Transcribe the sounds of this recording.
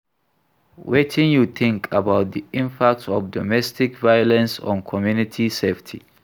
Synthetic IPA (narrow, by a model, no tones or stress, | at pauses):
wɛtʰɪ̃njuθʰɪ̃ŋkʰabaʊt̪̚d̪iɪ̃mpʰak̚tɔvdɔmɛstɪkvajɔlɛ̃nsɔ̰̃nkʰɔmjunɪtʰiseftʰḭ